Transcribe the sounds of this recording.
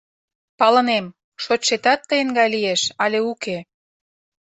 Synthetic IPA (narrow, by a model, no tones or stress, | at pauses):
pɑlə̆nem | ʃotʃet̪ɑt̪ːəjə̆ŋɡɑjlieʃɑlʲeuke